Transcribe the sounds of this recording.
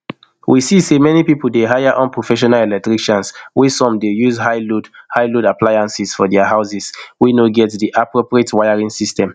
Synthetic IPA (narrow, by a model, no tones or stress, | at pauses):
wʔisisemɛnipipul̩deɦajaʔɔ̃npɹofɛʃ̬ɔnalɛlɛk̚tɹiʃɔ̃nswisɔ̃mdejuzhaɪlodhaɪlodapʰlajãnsisfɔdɛaɦaʊsiswinoɡɛtdiʔapɹopɹietwajaɹĩŋsistɛ̃m